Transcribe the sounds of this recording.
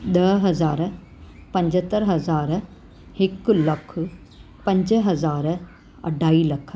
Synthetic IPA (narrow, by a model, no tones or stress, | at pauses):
ɗɐɦɐzaːɾ | pɐ̃ɲd͡ʑət̪əɾɦɐzaːɾ | hɪklɐkʰ | pɐ̃ɲd͡ʑɦɐzaːɾ | ɐ̰ɖʱaːiːlɐkʰ